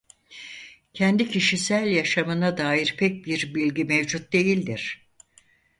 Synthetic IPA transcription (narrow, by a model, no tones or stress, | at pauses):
cʰɛnd̪icʰiʃisælʲjaʃamɯnad̪aːiɾpʰɛc̚biɾbilʲɟimevd͡ʒut̪̚d̪e̞jilʲd̪iɾ̥